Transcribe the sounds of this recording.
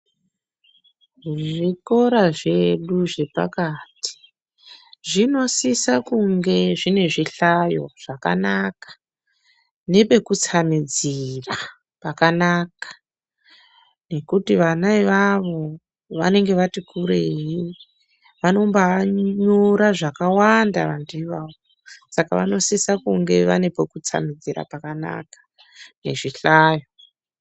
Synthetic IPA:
ʐiko̞ɾaʐe̞ɗuʐe̞pa̰kati̥ | ʐino̞sisakuŋɡe̞ʐine̞ʐiɬajo̞̰ʐ̥aka̰nakḁ | ne̞pe̞kut͡samid͡zira | pakanakḁ | ne̞kutiʋanaiʋaʋo̞ | ʋane̞ŋɡe̞ʋatikuɾeɦi | ʋano̞mbaɲoɾaʐakawandaʋandiiʋaʋo | saka̰ʋa̰no̞sisakuŋɡe̞ʋa̰ne̞po̞kut͡sa̰mid͡ziɾa̰pakana̰kḁ | ne̞̰ʐiɬaːjo̞

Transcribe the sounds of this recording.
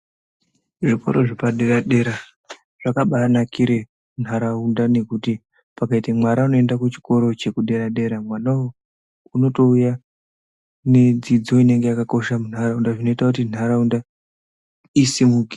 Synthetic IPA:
ʐipo̰ɾoʐipaɗe̞ɾaɗe̞ɾa | ʐ̥akaɓanakʰiɾe̞ | un̤ʱaɾaundane̞kuti | pakaitamwaɾauno̞e̞ndakut͡ʃi̥ko̞ɾo̞t͡ʃe̞kuɗe̞ɾaɗe̞ɾamwanawo | uno̞to̞uja | ne̞d͡zid͡zo̞ine̞ŋɡe̞jakako̞ʃamun̤ɦaraundaʐino̞itakutin̤ʱaɾaunda | isimuɡʱi

